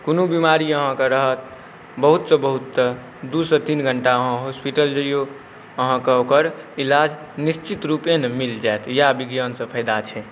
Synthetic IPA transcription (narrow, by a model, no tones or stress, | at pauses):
konubimaɾiəɦãkeɾəɦət̪̚ | bəɦut̪sə̃bəɦut̪ːə | d̪usət̪inɡʱəɳʈaəɦə̃ɦospiʈəld͡ʒəjo | əɦãkeokəɾilad͡ʒ | nist͡ʃit̪ɾupenmild͡ʒaet̪ʰjabiɡjənsə̃pʰəɪd̪at͡ʃʰɛ